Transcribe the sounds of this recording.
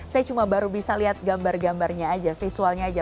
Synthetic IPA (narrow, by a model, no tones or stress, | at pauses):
sajat͡ʃumabaɾubisaliɦat̪̚ɡambarɡambarɲaːd͡ʒafisualɲaːd͡ʒa